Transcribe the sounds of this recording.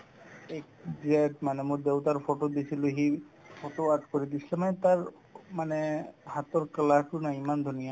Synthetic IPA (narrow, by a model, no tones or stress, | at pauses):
ekzetmanɛmuɾd̪ewt̪aɹpʰoʈod̪isʰiluɦi | pʰoʈoad̚koɾid̪isilɛmanɛt̪aɹ | manɛhat̪ɔɹkəlakʰunaimand̪ʱunija